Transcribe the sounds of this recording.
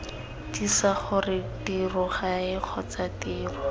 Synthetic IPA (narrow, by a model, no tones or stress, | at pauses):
disaχʊrɪtirʊχaɪq͡χʰɔt͡satiːrʊ